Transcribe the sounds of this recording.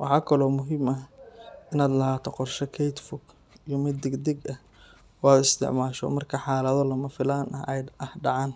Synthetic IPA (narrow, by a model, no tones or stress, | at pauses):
wʔɑħɑːkʰɐlɔːmʊɦɪmɐ | ɪnaːd̪lɐɦaːt̪ʰɔqɔrʃɐkʰɛjt̪fʊɡ | ijɔmɪd̪ːɛɡd̪ɛɡɐh | wɑːd̪ɪst̪ʰɪ̰ʕmaːʃɔ̰mɐrkʰɐħɑːlɐðɔlɐmɐfɪlaːnʔɐɛjɐhɖɑʕɑːn